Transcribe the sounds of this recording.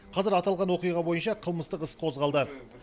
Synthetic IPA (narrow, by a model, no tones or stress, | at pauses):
qʰɑzɪɾɑt̪ɑlˠʁɑnwo̞qijʁɑbo̞jənʃɑqʰəlˠməst̪əqəsqʰo̞zʁɑlˠd̪ə